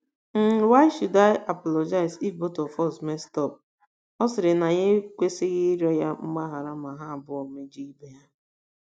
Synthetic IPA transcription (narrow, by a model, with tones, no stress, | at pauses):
n̩˦wa˦ɪ˦ʃu˨da˦˨ɪ˦ʔa˨pɔ˨lɔ˨d͡ʒa˦ɪ˨zi˦fbo˦tɔ˨fɔ˦sme˦stɔ˦˨p̚ | ɔ˦sɪ˨ɾɪ˨na˨ɲɪ˦kʷe˦sɪ˦ɣɪ˦ɾɔ˦ja˦m̩˦ɡ͡ba˦ɦa˨ɾa˦ma˨ɦa˦a˨bʊ˦ɔ˨me˦d͡ʒi˦i˦be˦ja˦